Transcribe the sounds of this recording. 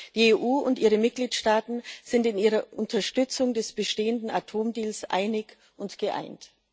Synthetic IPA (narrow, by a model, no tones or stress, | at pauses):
d̥iːeʔuːʔʊntʔiːʁəmɪt̚ɡ̥liːtʃtaːtn̩z̥ɪntɪnʔiːʁɐʔʊntʰɐʃtʏt͡sʊŋdɛsb̥əʃteːəndn̩atʰoːmdiːlsʔa̰ɪnɪç | ʔʊntɡ̥əʔa̰ɪnt